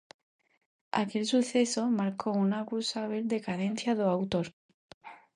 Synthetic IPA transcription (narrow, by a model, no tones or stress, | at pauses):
a̰ke̞lsuθe̞so̞maɾkounakusaβ̞eld̪e̞kaðen̟θjaðoawt̪oɾ